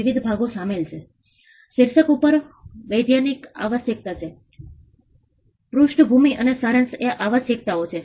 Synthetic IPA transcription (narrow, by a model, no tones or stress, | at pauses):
iʋid̪ʱbʱaɡosamelt͡ʃʰe | ʃɪɾsəkupəɾʋəjd̪janika̰ʋəsjək̚t̪at͡ʃʰe | pɾuʃʈəbʱumiʔənesaɾənseʔaʋəʃjək̚t̪aot͡ʃʰe